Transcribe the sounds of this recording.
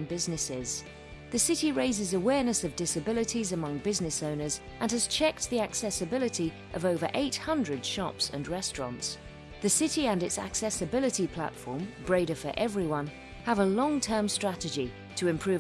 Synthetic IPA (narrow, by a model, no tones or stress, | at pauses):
nbɪznɨsɪz̥ | ðɨsɪɾiɹeɪzɨzəwɛɹnɨsʌvdɪsɨbɪlˠɨɾizɨmʌ̃ŋbɪznɨsõʊ̃nə˞z | ʔə̃nɨz̥t͡ʃʰɛk̚t̪̚ðiæksɛsɨbɪlˠɨɾi | ʔʌvoʊvə̰˞ʔeɪt̚hʌ̃ndɹɨd̥ʃɑpsə̰̃nɹɛstɹ̥ɑ̰̃nts | ðɨsɪɾiə̃nɨtsæ̰ksɛsɨbɪlˠɨɾipʰl̥æ̰tfɔ̰ɹmbɹeɪɾəfə̰˞ʔɛvɹiwʌ̃n | əvəlɔ̃ŋtʰɜ̃˞mstɹ̥æɾɨd͡ʒi | ɾʰəɨ̃mpʰɹ̥ʉ